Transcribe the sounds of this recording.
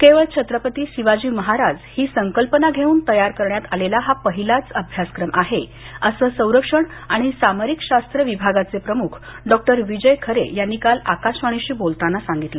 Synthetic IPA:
keʋəɭt͡ɕʰət̪ɾəpət̪iːsiʋad͡ʑiːʋməɦaɾad͡zhiːsəŋkəlpənaɡʱeuːnt̪əjaɾkəɾɳjat̪alelaɦapəɦilat͡səbʱjaskɾəmʔaɦe | əsəːsə̃w̃ɾəkʂəɳaɽ̃isaməɾikɕast̪ɾəʋibʱaɡat͡sepɾəmukʰɖɔk̚ʈəɾʋid͡ʑəjkʰəɾḛjanːiːkala̰kaɕʋaɽ̃iɕiːbolt̪anːasaŋɡit̪lə

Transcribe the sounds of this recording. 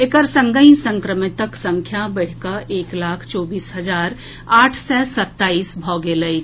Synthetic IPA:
ekəɾsə̃ŋɡəĩsə̃ŋkɾəmɪt̪əksə̃ŋkʰjabəɽ̤kaʔeːklaːkʰt͡ʃɔːbiːsɦəzaːɾ | aːʈʰsɛsɐt̪ːaːiːsbʱɔːɡeləi

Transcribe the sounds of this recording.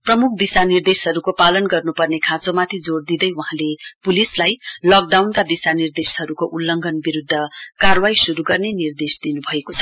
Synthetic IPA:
prʌmuk̚ʰb̪isanird̪esɦʌɾukopalʌnɡʌrnupʌrnekʰãt͡somat̪ʰid͡zord̪id̪ʌjwʌɦãlepulislajlʌk̚ɖawnkab̪isanird̪esɦʌɾukoʔulːʌŋɡʱʌnbiɾud̪ʱːʌkarwaisuɾuɡʌrnenird̪esd̪inubʱʌekot͡sʰʌ̥

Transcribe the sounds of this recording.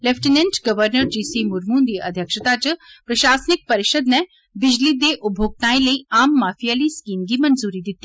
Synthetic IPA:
lefʈinẽnʈɡɐʋəɾnəɾd͡ʒiːsiːmʊɾmuːnd̪iːʔɐ̰d̪ʱjəkʃət̪at͡ɕpɾɐʃaːsnɪk̚pɐɾɪʃəd̪nɛ̃ | bɪd͡ʑlid̪eːʔʊbʱoːɡ̚t̪ãːĩlɐiaːmːaːfijaːliːskiːnɡimɐnzuːɾid̪ɪt̪ːi

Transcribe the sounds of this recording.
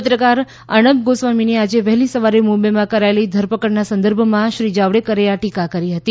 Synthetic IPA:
ət̪ɾəkaɾ | ə̰ɳ̃əpɡosʋaminead͡ʒeʋɛɦlisəʋaɾemubemãkəɾaelid̪ʱəɾpəkəɾnasə̃nd̪əɾbʱəmãʃɾid͡ʒaʋɽekəɾeaʈikakəɾiɦət̪i

